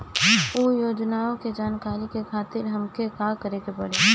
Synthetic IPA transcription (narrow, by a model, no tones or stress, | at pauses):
oːjoːd͡ʒnaːõked͡ʒaːnkaːɾikekʰaːt̪ɪɾɦɐmkekakəɾeːkepɐɽeː